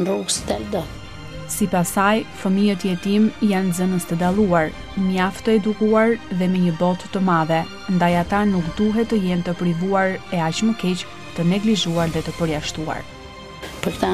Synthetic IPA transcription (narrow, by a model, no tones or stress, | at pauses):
nruɡst̪ɛld̪ə | sipasajfəmijət̪əjɛt̪imjanzənəst̪əd̪alˠuaɾ | məjaft̪əɛd̪ukuaɾðɛmɛɲəbɔt̪ːəmaðɛ | nd̪ajat̪anukd̪uɦɛt̪əjɛnt̪əpɾivuaɾɛat͡ɕməkɛt͡ɕ | t̪ənɛɡliʒuaɾðɛt̪əpəɾjaʃt̪ua̰ɾ | pəɾt̪a